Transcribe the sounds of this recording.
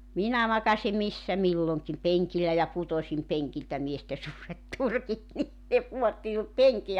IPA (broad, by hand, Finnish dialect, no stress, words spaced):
minæ mɑkɑsi misːæ milːoŋkim peŋkilːæ jɑ putosim peŋkiltæ mieste suːret turkit ni ne puotːi minut peŋki